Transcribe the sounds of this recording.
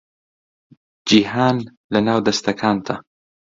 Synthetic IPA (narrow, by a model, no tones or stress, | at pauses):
d͡ʒihaːn | lɐnaːwd̪ɐst̪ɐkʰaːnt̪ʰɐ